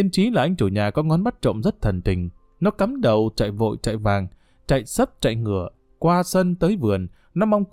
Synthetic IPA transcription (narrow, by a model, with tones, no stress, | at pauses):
i˧ənt͡ɕi˨˦laː˨˩ʔa˧jŋ̟t͡ɕu˧˩ɲaː˨˩kɔ˨˦ŋɔ˨˦nɓa˦˥t̚t͡ɕo̰˧˨ŋ͡mzə˦˥t̚t̪ʰə˨˩nt̪ï˨˩ŋ̟ | nɔ˨˦ka˨˦mɗə˨˩wt͡ɕa̰ː˧˨jvo̰˧˨jt͡ɕa̰ː˧˨jvaː˨˩ŋ | t͡ɕa̰˧˨jsə˦˥p̚t͡ɕa̰˧˨jŋɨ˧˩ə | kwaː˧sə˧nt̪əː˨˦jvɨ˨˩ən | nɔ˨˦ma˧wŋ͡mk